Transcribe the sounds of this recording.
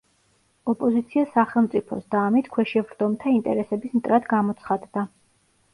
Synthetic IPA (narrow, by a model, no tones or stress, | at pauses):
ɔpʼɔzit̪sʰiasaχɛlˠmt̪sʼipʰɔ̰sd̪aːmit̪ʰkʰwɛʃɛvɾd̪ɔmt̪ʰaint̪ʼɛɾɛsɛbismt̪ʼɾad̪ɡamɔt̪sʰχad̪d̪a